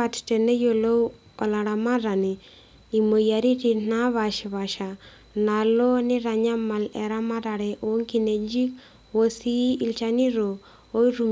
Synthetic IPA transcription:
a˦tte˨ne˦jo˨lo˦ | ɔ˨la˨ɾa˨ma˦ɾa˨ni˨ | i˨mo˨ja˨ɾi˦ti˦na˦βa˨ʃβa˨ʃa˨ | na˨lo˦nɪ˦ɾa˨ɲa˦ma˨lɛ˨ɾa˦ma˦ɾa˨ɾɛ˨ʔo˦ŋki˦ne˨d͡ʒi˦k | wo˦si˦i˦lt͡ʃa˦ni˦ɾo˨ | o˦i˦ɾu˨m

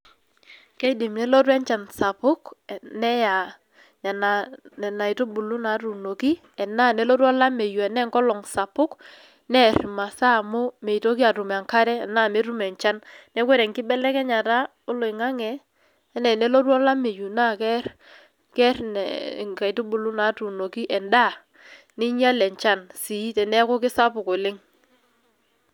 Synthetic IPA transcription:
kɛ˦dɪ˨mnɛ˨˦lɔ˦ɾwɛ˦ɲt͡ʃa˨nsa˨pʊ˦kɛ˨nɛ˦ja˨ | ɲa˨na˨nɛ˨na˨ɪ˨to˦bu˨lu˦na˨˦ɾu˨no˨ki˦ | ɛ˨na˦˨nɛ˦lɔ˦ɾwɔ˦la˦me˨ju˨ɛ˨nɛ˦ŋkɔ˦lɔ˨ŋsa˨pʊ˦k | nɛ˦ɾma˨sa˦˨mʊ˦mɛ˨i˨to˦ki˦a˨ɾu˨m˨a˨ŋka˦ɾɛ˦ɛ˨na˦˨me˦ɾu˦mɛ˨ɲt͡ʃa˦nnɛ˦kwɛ˦ɾɛ˨ŋkɪ˦bɛ˦lɛ˦kɛ˦ɲa˨ta˦ | o˦lo˨ɪ˨ŋa˦ŋɛ˨ | ɛ˦nɛ˨nɛ˦lo˦twɔ˦la˦me˨ju˨na˦˨kɛ˦r | kɛ˦rn̰˨ŋka˨i˨tu˦bʊ˦lʊ˦na˨˦tu˨no˨ki˦ʔɛ˨nda˦˨ | nɪ˦ɲ˦a˦lɛ˨ɲt͡ʃa˦nsi˨˦tɛ˨nɛ˦kʊ˦kɪ˦sa˦pʊ˨ko˨lɪ˦ŋ

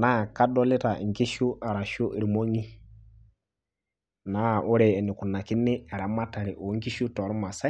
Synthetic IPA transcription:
na˦˨ka˦dɔ˦lɪ˦ta̰˨ŋ˨ki˦ʃu˦ʔa˨ɾa˨ʃu˦ʔi˨ɾmo˦ŋi˦ | na˦˨ʔʊ˦ɾɛː˨nɪ˨ku˨na˨kɪ˦nɪ˦a˨ɾa˨ma˦ta˨ɾɪ˨ʔɔ˨˦ŋ˦ki˦ʃu˦tɔ˨ɾu˦ma˨sa˦

